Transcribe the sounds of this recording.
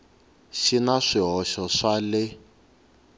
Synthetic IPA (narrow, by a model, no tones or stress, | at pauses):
ʃinaʂiɦɔʃɔʂalɪ